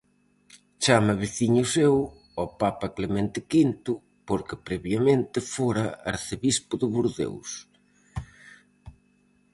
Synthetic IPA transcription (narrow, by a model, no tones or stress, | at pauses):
t͡ʃamɐβiθiɲʊsew | ɔpapɐklemẽnt̪ɪkint̪ʊ | poɾkɪpɾɛβjamẽnt̪ɪfoɾɐa̰ɾθeβispʊðʊβuɾðḛws